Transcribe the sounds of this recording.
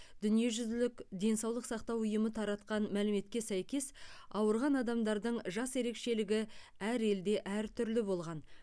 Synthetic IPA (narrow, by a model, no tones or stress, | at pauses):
d̪̥ʏnije̞ʒʏzlɪkd̪e̞nsɑwlˠəqsɑqt̪ɑwʊjəmət̪ʰɑɾɑt̪qɑnmælɪme̞t̪kʲe̞sæjkʲe̞sɑwəɾʁɑnɑd̪ɑmd̪ɑɾd̪əɴʒɑse̞ɾe̞kʃe̞lɪɡʲɪæɾe̞ld̪e̞ʔæɾt̪ʰʏɾlɪbo̞lˠʁɑn